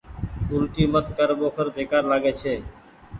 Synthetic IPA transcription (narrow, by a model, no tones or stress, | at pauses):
ʊlʈiːmət̪kəɾɓoːkʰəɾbʱeːkaːɾlaːɠeːt͡ʃʰeː